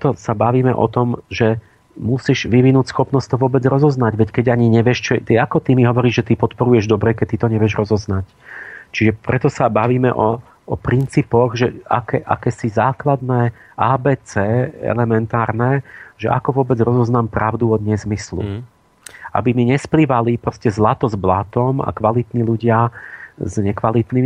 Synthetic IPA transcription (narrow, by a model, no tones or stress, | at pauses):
ɛt̪ɔsabaʋiːmɛʔɔ̰t̪ɔmʒɛ | musiːʒʋiʋinuːcsxɔpnɔstt̪ɔʋʊɔbɛd͡zɾɔzɔznaɟʋɛckɛɟaɲiɲɛʋɪɛʃt͡ʃɔt̪ɛakɔt̪imiɦɔʋɔɾiːʒʒɛt̪ipɔt̪pɔɾujɛʒd̪ɔbɾɛkɛc̚t̪ːit̪ɔɲɛʋɪɛʒɾɔzɔznac | t͡ʃiʒɛpɾɛt̪ɔsabaʋiːmɛ̰ʔɔ | ɔpɾint͡siːpɔɣʒɛa̰kɛʔa̰kɛːsizaːklad̪nɛ | aːbɛːt͡sɛːɛ̰lɛmɛnt̪aːɾnɛʒ̥ɛ̰ʔa̰kɔʋʊɔbɛd͡zɾɔzɔznaːmpɾaʊd̪uɔd̪ɲɛzmislṵ | ʔa̰bimiɲɛspliʋalipɾɔscɛzlat̪ɔzblat̪ɔma̰kʋalit̪niːluɟɪazɲɛkʋalit̪niː